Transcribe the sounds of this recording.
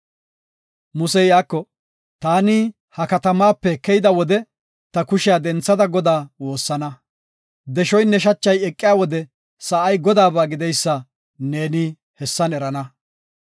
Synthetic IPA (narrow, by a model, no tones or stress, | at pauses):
mʊsɛjaːkːɔ | t̪aːnɪ | hɐkɐt̪ɐmaːpːɛkːɛjd̪ɐwɔd̪ɛ | t̪ɐkʊʃɪjad̪ɛnt͡sːɐd̪ɐɡɔd̪aːwo̞ːsːɐnɐ | d̪ɛʃɔjnːɛʃɐt͡ʃːɐjɛkʼːɪjaːwɔd̪ɛ | sɐʔɐjɡɔd̪aːbaːɡɪd̪ɛjsːɐ | neːnɪ | hɛsːɐnɛɾɐnɐ